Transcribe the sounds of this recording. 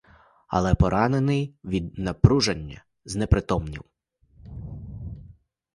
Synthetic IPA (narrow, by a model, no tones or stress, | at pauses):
ɐ̰lˠɛpɔɾʔɑnenɪjʋʲid̪nɐpɾuʒɐnʲːɐ̰ | znɛpɾɪt̪ɔmnʲḭw